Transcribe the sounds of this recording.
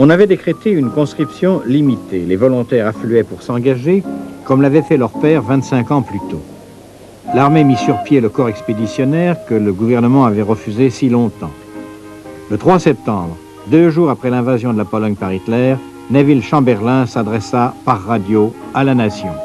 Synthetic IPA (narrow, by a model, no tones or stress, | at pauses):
ɔ̃navɛd̪ekχet̪eynkɔ̃skχipsjɔ̃limit̪elevɔlɔ̃t̪ɛʁaflyɛpuʁsɑ̃ɡaʒekɔmlavɛfɛlœʁpɛʁvɛ̃t̪sɛ̃kɑ̃plyt̪o | laʁmemisyʁpjeləkɔʁɛksped̪isjɔnɛʁkələɡuvɛʁnəmɑ̃avɛʁəfyzesilɔ̃t̪ɑ̰̃ | lət̪χwasɛp̚t̪ɑ̃bʁə | d̪øʒuʁapχɛlɛ̃vazjɔ̃d̪əlapɔlɔɲpaʁit̪lɛʁ | navilʃɑ̃bɛʁlɛ̃sad̪ʁɛsapaʁːad̪joalanasjɔ̃